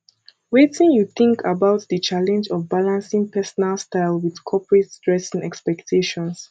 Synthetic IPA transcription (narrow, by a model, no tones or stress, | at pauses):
wetĩŋjuθɪ̃ŋkʰabaʊtðət͡ʃʰalɛ̃nd͡ʒɔvbalãnsĩŋpʰɛsɔnalˠstaɪlˠwið̥kʰɔpɹetsdɹɛsɪ̃ŋɛkspɛktʰeʃɔ̃ns